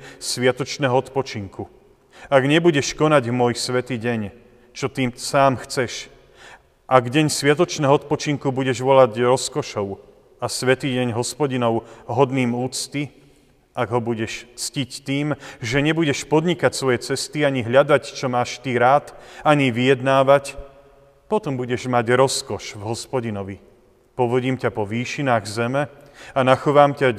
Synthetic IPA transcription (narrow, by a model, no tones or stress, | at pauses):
sʋɪat̪ɔt͡ʃnɛːɦɔɔt̪pɔt͡ʃiŋku | aɡɲɛbuɟɛʃkɔnaɟmʊɔjsʋɛt̪iːɟɛɲ | t͡ʃɔt̪iːmsaːmxt͡sɛʃ | ʔaɡɟɛɲsʋɪat̪ɔt͡ʃnɛːɦɔɔt̪̚pɔt͡ʃiŋkubuɟɛʒʋɔlaɟɾɔskɔʃɔʊ | asʋɛt̪iːɟɛɲɦɔspɔɟinɔʊɦɔd̪niːmuːt͡st̪i | aɡɦɔbuɟɛʃt͡scict̪iːmʒɛɲɛbuɟɛʃpɔd̪ɲikacsʋɔjɛt͡sɛst̪iaɲiɦʎad̪act͡ʃɔmaːʃt̪iɾaːt̪aɲiʋijɛd̪naːʋac | pɔt̪ɔmbuɟɛʒmaɟɾɔskɔʃvɦɔspɔɟinɔʋi | pɔʋɔɟiːmcapɔʋiːʃinaːɣzɛmɛanaxɔʋaːmca